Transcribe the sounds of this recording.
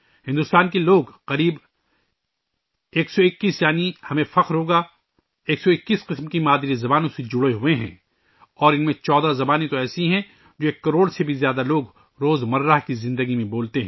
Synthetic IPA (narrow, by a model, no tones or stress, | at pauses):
hɪ̃nd̪ʊst̪aːnkeloːɡqɐɾiːb | eːksɔɪkːiːsjaːnihɐmẽfɐqɾɦoːɡa | eːksɔɪkːiːsqɪsmkimaːd̪ɾizɐbaːnõsed͡ʒʊɽeɦʊeɦɛ̰̃ː | ɔːɾɪnmẽt͡ʃɔːd̪azɐbaːnet̪oɛːsiɦɛ̃ | d͡ʒoːeːkːɐɾoːɽsebʱizjaːd̪aloːɡ | ɾoːzmɐɾːaɦkizɪ̃nd̪əɡimẽboːlt̪eɦɛ̃ː